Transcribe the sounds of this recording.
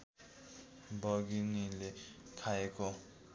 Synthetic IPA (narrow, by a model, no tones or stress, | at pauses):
bʌɡinilekʰaeko